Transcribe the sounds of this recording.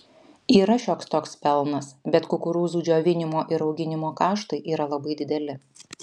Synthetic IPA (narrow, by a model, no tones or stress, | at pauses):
iːɾɐʃʲoːkst̪oːkspʲɛlˠnɐsbʲɛt̪kʊkʊɾuːzuːd͡ʒʲoːʋʲɪnʲɪmoːʔɪɾɒʊɡʲɪnʲɪmoːkɑːʃt̪ɐɪʔiːɾɐlˠɐbɐɪd̪ʲɪd̪ʲɛlʲɪ